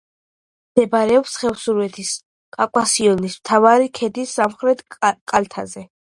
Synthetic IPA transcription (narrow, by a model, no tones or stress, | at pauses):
d̪̥ɛbaɾɛɔpsχɛfsuɾvɛt̪ʰis | kʼakʼwasiɔnismt̪ʰavaɾikʰɛd̪isamχɾɛt̪ʰkʼalt̪ʰazɛ